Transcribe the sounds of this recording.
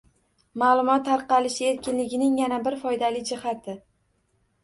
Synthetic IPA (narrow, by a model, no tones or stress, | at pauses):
malˠʊmɒt̪ʰːaɾqɑlɪʃɪe̞ɾkʲɪnlɪɡʲɪnɪŋjanabɪɾfɒjd̪alɪd͡ʒɪhat̪ʰɪ